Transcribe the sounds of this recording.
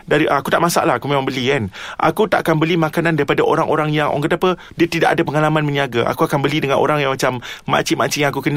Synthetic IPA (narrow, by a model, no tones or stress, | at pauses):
daɾiʔaakut̪aʔmasa̰ʔlahakumemãŋmbəlianʔa̰kut̪aʔkanbəlimãkanandaɾipadaʔoɾaŋʔoɾaŋjaŋʔo̰ŋkət̪apə | diət̪idaʔadapəŋalamanmə̃ɲiaɡaʔa̰kuakanbəlidəŋanʔo̰ɾaŋjãŋmat͡ʃamːa̰t͡ʃiʔmat͡ʃiʔjaŋakukəna